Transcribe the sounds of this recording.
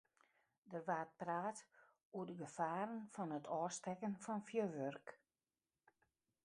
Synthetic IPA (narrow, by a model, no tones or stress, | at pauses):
dərʋaːt̚praːt | uədəɡəfaːɾənfɔnətʰɔːstɛkənfɔnfjøʋørk